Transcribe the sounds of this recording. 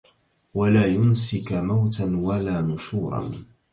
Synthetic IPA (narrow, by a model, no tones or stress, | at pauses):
walaːjʊnsɪkmawt̪anwalaːmʊʃuːɾˤɑ̰n